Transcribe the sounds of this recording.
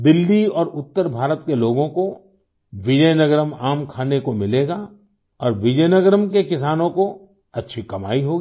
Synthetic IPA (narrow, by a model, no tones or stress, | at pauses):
d̪ɪlːiɔːɾʊt̪ːəɾbʱaːɾət̪keloːɡõko | ʋɪd͡ʒəjnəɡəɾəmaːmkʰaːnekomɪleːɡa | ɔːɾʋɪd͡ʒəjnəɡəɾəmkekɪsaːnõko | ɐtːʃʰikɐma̰ːiɦoːɡi